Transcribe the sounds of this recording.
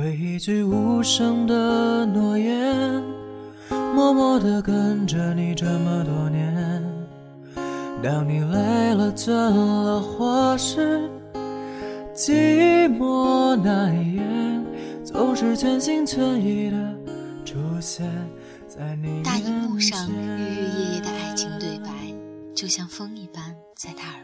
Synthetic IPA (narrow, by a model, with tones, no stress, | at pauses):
we˧˩ɪi˧t͡ɕy˥˧ɪu˧˥ʂɤ˥ŋd̪ə˧nwɔ˧˩jɛ˧˥ | mwɔ˥mɔ˧˥d̪ə˧kə˥nʈ͡ʂə˧˩ni˨˩ʈ͡ʂə˥˩mə˨t̪wɔ˧˥njɛ˧˥˦n | ɾɑ˧ŋni˨˩le˧˥ɪɪlə˨ʈ͡ʂə˥˧llə˧xwa˧˥ʂ̩˥ | t͡ɕi˥mwɔ˥na˧˩njɛ˧˥t͡so˧˥ʊʂɻ̩˥˧t͡ɕʰɥɛ˥nɕi˥ŋt͡ɕʰɛ˧˥ni˧˥ɾə˧ | ʈ͡ʂu˧˩ɕjɛ˧˩n | t͡sa˥˩ɪni˨˩t̪a˥˧u˥˧ʂɑ˧˩ŋɛ˥˧jɛ˥˧jɛ˥˩d̪ə˩a˥˩ɪt͡ɕʰi˧˥ŋt̪we˥˩ɪpa˧˥ɪ | t͡ɕjo˥˩ʊɕjɑ˥˩ŋfɤ˥ŋi˥˩pa˥n | t͡sa˥˩ɪt̪ʰa˥